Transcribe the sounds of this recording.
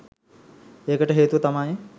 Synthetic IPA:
eːkəʈəɦeːt̪uʋɐt̪amaːje

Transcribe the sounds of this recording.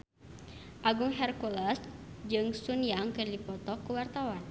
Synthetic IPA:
ʔaɡuŋɦɛrkulasd͡ʒɨŋsunijaŋkərdipɔt̪ɔkuwart̪awan

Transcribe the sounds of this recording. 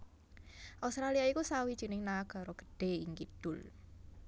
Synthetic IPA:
ʔast̪ɾaliaikusawid̥ʒ̥i̤nɪŋnaɡ̥a̤ɾɔɡ̥ə̤̥ɖ̥e̤iŋkid̪̥ʊl

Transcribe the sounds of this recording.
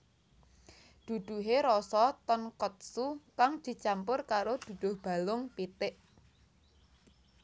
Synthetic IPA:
d̪̥ṳd̪̥ṳɦeɾɔsɔt̪ɔnkɔt̪̚sukaŋd̪̥i̤t͡ʃampʊrkaɾod̪̥ṳd̪̥ʊ̤hb̥a̤lʊŋpit̪ɪʔ

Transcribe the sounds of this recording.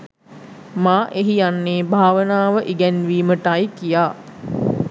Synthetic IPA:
maːʔeɦijanːeːbʱaːʋənaːʋəʔiɡɛnʋiːməʈajkijaː

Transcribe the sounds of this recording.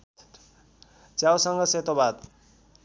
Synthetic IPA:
t͡sjawsʌŋɡʌset̪obad̪

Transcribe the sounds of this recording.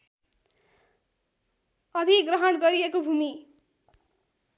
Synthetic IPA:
ʌd̪ʱiɡrʌɦʌɽɡʌɾiekobʱumi

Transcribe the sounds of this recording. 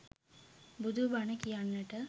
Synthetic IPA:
bud̪ʱubanəkijanːəʈə

